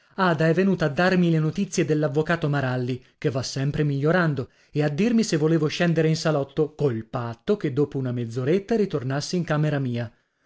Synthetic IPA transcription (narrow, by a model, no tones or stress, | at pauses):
aːd̪aɛvːenuːt̪aːd̪ːarmilenot̪it̪sːjed̪elːavːokaːt̪omaɾalːi | kevːasːɛmpɾemiʎːoɾand̪o | ead̪ːirmisevːoleːvoʃɛnd̪eɾeinsalɔt̪ːokolpat̪ːoked̪ːoːpounamed̪zːoɾet̪ːaɾit̪ornasːeiŋkaːmeɾamiːa